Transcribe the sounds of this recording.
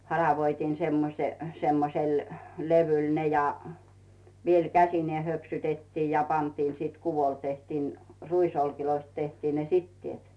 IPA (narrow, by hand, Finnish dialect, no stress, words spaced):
hɑrɑʋoitiːn̞ semːose semːosel leʋyl ne jɑ ʋiel kæsineː høpsytetːiː jɑ pɑntiːn siːt kuʋol tehtiːn ruisolkiloist tehtiːn ne sitːieˑt